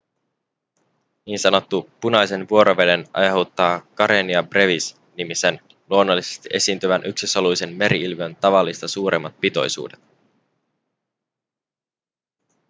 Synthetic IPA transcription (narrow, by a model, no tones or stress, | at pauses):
niːnsɑno̞t̪ːupunɑjse̞nʋuo̞ɾo̞ʋe̞de̞nʔɑ̰jɑɦot̪ːɑːkɑɾeniɑbre̞ʋis | nimise̞n | luo̞nːo̞lːise̞̥st̪iʔe̞siːnt̪yʋænʔyksisolujse̞nme̞ɾiilʋønt̪ɑʋɑlːist̪ɑsuːɾʔe̞mːɑt̪̚pit̪o̞̰jsṵːde̞t̪